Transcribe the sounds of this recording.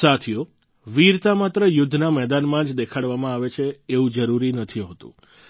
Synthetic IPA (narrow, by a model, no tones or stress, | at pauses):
sat̪ʰijo | ʋiɾt̪amat̪ɾəjʊd̪ʱːnamɛɦd̪anmãd͡ʒd̪ekʰaɽʋamãaʋet͡ʃʰeːʋũd͡ʒəɾuɾinət̪ʰiɦot̪ṵ̃